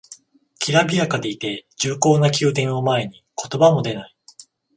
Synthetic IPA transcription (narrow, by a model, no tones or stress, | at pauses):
kʲʰiɾabʲiakad̪e̞it̪e̞d͡ʑɨːko̞ːnakʲɨːt̪ẽ̞ɰ̃omae̞ɲ̟i | ko̞̥t̪o̞bamo̞d̪e̞nai